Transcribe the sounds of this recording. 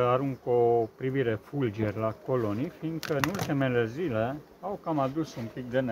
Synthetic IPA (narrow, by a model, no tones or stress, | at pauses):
aɾuŋkopɾiviɾe̞fuld͡ʒerʲlako̞lo̞nifinɡ̪kəɨnult̪ime̞le̞zile̞ | awkamad̪usunpik̚d̪ene